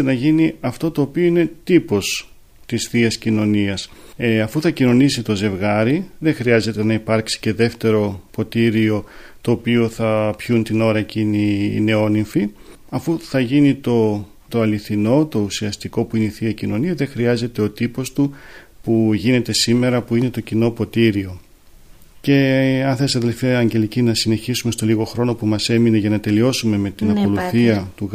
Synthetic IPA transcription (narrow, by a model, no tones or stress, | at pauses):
enɐʝiniɐft̪o̞t̪o̞ːpio̞ine̞t̪ipo̞s | t̪isθiɐscino̞niɐsɐfuθɐcino̞nisit̪o̞ze̞vɣɐɾiðe̞xɾiɐze̞t̪e̞nɐipɐɾksi̥ce̞ðe̞ft̪e̞ɾo̞po̞t̪iɾio̞ | t̪o̞ːpio̞θɐpçunt̪ino̞ɾɐeciniḭne̞o̞niɱfi | ɐfuθɐʝinit̪o̞ | t̪o̞ɐliθino̞t̪o̞usiɐst̪iko̞puineiθiɐicino̞niɐðexɾiɐze̞t̪e̞o̞t̪ipo̞st̪u | puʝine̞t̪e̞sime̞ɾɐpuine̞t̪o̞cino̞po̞t̪iɾio̞ | ce̞ɐnθesɐðe̞lfiɐɐɲɟe̞licinɐsine̞çisume̞st̪o̞liɣo̞xɾo̞no̞pumɐse̞mine̞ʝɐnɐt̪e̞lio̞sume̞me̞t̪inɐko̞luθiɐt̪u